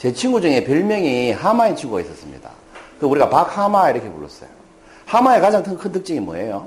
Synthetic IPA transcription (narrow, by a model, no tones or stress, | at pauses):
t͡ɕe̞t͡ɕʰiŋɡud͡ʑuŋe̞pjʌɭmjʌŋiɦamaet͡ɕʰiŋɡuɡais͈ʌs͈ɯmɲḭd̥a̰ | kɯuɾiɡapak̚hamaiɾʌkʰepoɭːo̰s͈ʌ̰jo | hamaekad͡ʑaŋtʰɯkʰɯntɯk̚t͡ɕ͈iɡimwʌ̰e̞jo